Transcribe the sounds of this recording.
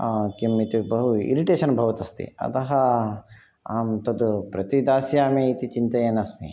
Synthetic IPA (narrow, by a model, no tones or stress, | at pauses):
kimit̪ibɐɦuḭɾiʈeːʃɐnbʱɐʋɐt̪ɐst̪ḭɐ̰t̪ɐɦɐ | aːmt̪ɐd̪upɾɐt̪id̪aːsjaːmiit̪it͡ʃint̪ɐjɐnɐsmḭ